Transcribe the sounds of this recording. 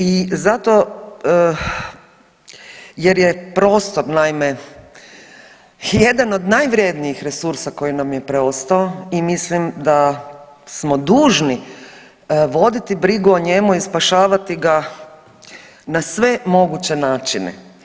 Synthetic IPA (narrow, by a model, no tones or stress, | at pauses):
izat̪o̞ | jeɾjepɾo̞ːst̪o̞ɾnaime | je̞d̪ano̞d̪najʋɾje̞d̪nijixɾe̞suɾsako̞jinamjepɾeo̞st̪aoimislimd̪a | smo̞d̪uːʒni | ʋo̞d̪it̪ibɾiɡuoɲe̞muispaʃaːʋat̪iɡa | nasʋe̞mo̞ɡut͡ɕe̞naːt͡ʃinḛ